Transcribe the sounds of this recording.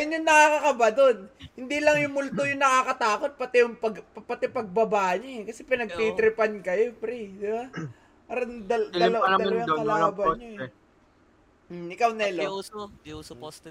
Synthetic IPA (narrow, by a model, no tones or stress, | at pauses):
jʊnjʊŋnɐkakɐkɐbad̪o̞nhɪnd̪ilɐŋjʊŋmʊlt̪ojʊŋnɐkaːkɐt̪aːko̞t̪̚pɐt̪ɛjʊŋpɐɡpɐt̪ɛpɐɡ̚bɐbaːʔɐɲoɛkɐsɛpɪnɐɡ̚t̪it̪ɾɪpɐnkɐjo̞pɾɛd̪ɪba | paːɾɐnd̪ɐd̪ɐlɐwad̪ɐlɐwakɐlaːbɐnɲoɛ | ʔɪkawnɐɪlo